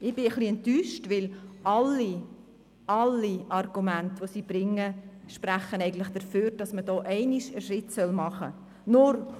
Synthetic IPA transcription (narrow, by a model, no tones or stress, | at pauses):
ɪb̥ɪəχliɛntyːʃtʋɪlɑlːi | ɑlːiʔɑrɡ̥umæntʋosiːb̥ɾɪŋːəʃpræχːənɛɪɡən̩tlɪχd̥əføːɾd̥ɑsməd̥ɔːʔɛɪniʃəʃɾɪtsœlmɑχə | nʊɾ